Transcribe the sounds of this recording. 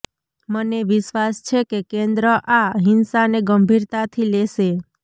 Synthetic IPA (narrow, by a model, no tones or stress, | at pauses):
məneʋɪʃʋast͡ʃʰekekẽnd̪ɾəʔaɦinsaneɡəmbʱiɾt̪at̪ʰileʃe